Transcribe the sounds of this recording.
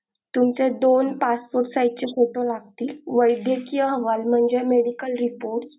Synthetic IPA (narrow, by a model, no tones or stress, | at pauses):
t̪umt͡sed̪onpaspoɾʈsajʈ̚t͡ɕekʰoʈolaɡt̪iːlʋəjd̪jəkijəɦəʋalm̤əɳd͡zemeɽikəlɾipoɾʈs